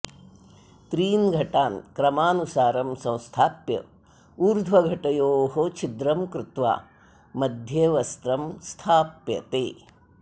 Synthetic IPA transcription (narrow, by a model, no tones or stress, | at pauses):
t̪ɾiːnɡʱɐʈaːnkɾɐmaːnusaːɾɐmsɐ̃w̃st̪ʰaːpjɐ̰ | uːɾd̪ʱʋɐɡʱɐʈɐjoːɦot͡ʃʰid̪ɾɐmkɾut̪ʋa̰ː | mɐd̪ʱjeːʋɐst̪ɾɐmst̪ʰaːpjɐ̰t̪eː